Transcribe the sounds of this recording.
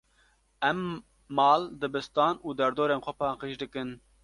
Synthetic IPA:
ɛmː | ɑːld̪ɨbɨst̪ɑːnuːd̪ɛɾd̪oːɾeːnxʷɛpɑːqiʃd̪ɨkɨn

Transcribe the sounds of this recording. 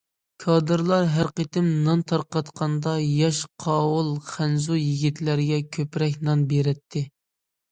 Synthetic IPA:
kʰɑd̪ɨɾlˠɑɾɦæɾqət̪ɪmnɑnt̪ʰɑɾqɑt̪qʰɑnd̪ɑjɑʃqʰɑːwulˠχænzujiɡʲit̪ʰlæɾɡʲɛkʲʰøpɾɛk̬ʲnɑnbeɾɛt̪ʰːɪ

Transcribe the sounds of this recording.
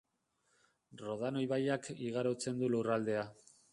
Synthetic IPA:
ro̞ð̞ano̞jβajakiɣ̞aɾo̞t͡se̞nd̪ulurald̪e̞a

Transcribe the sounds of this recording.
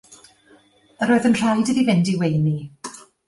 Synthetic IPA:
əɾoːɨðənr̥ajdəðivɪndiwejni

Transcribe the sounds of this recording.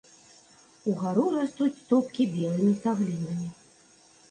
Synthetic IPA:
uɣaɾuɾast̪ut͡sʲt̪upkʲibʲɛlˠɨmʲisaɣlʲinɐmʲi

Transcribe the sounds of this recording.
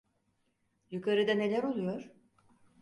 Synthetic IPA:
jukʰaɾɯd̪ane̞lʲæɾo̞lˠujo̞ɾ̥

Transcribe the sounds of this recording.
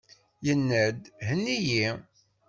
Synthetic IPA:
jənːəd̪ɦənːiji

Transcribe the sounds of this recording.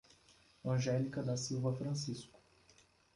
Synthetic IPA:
ɐ̃ʒɛlikɐd̪ɐsiwvɐfɾɐ̃siskʊ̥

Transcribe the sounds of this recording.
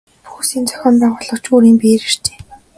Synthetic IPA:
pu̥xuːsiːnt͡sœ̥xʲɔːmpæːʁʊːɮɞ̆kt͡ɕuːɾiːmpeːɾɘr̥t͡ɕe̥ː

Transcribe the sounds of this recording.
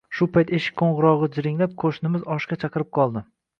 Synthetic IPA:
ʃʊpʰajt̪eʃɪ̥kʲkʰːoɴʁʊɾɒʁɨd͡ʒɪɾɪŋlap̚kʰoʃnɪmɪzɒʃkʲat͡ʃʰɑqɨɾɪp̚qʰɒlˠd̪ɪ

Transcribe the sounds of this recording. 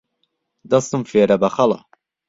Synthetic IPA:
d̪ɐst̪ɨmfeːɾɐbɐχɐlɑ̰

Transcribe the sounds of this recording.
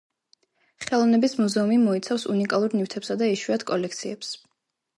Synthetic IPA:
χɛlˠɔvnɛbismuzɛumimɔit̪sʰafsunikʼalˠuɾnift̪ʰɛpsad̪aiʃwiat̪ʰkʼɔlɛkʰt̪sʰiɛps

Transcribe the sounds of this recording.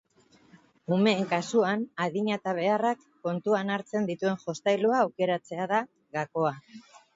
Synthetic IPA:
ume̞ːŋkasuanaðiɲat̪aβ̞e̞arakːo̞nt̪uanaɾt͡se̞nd̪it̪ue̞ŋʝo̞st̪ajluaːwke̞ɾat͡se̞aða | ɣako̞a

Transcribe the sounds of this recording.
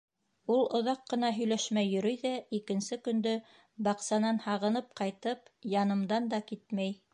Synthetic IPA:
ulˠŏðɑqːɤ̆nɑɦɵ̆jlæʃmæjːɵ̆ɾɵjðæikɘ̆nsɘkɵ̆nd̪ɵ | bɑqsɑnɑnhɑʁɤ̆nɤp̚qɑjt̪ɤpjɑnɤ̆md̪ɑnd̪ɑkit̪̚mæj

